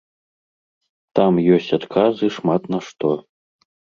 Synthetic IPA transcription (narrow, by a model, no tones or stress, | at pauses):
t̪amjɔsʲt͡sʲat̪kʰazɨʂmat̪nɐʂt̪ɔ